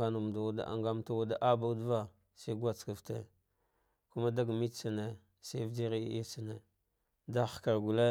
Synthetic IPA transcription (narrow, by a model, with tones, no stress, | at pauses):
a˦nu˨m˨da˨wa˦da̰˨ʔa̰˨ŋɡa˦m˦ta˦wa˦da˦ʔa˦ba˦dva˦ | sa˦ɡʷa˦˨t͡ska˨ftḛ˨ | ku˦ma˦da˦ɡmi˦t͡sa˨ne˨ | se˦vd͡ʒi˦ɾi˦i˦t͡sa˨ne˨ | da˦xka˨ɾɡu˨le˦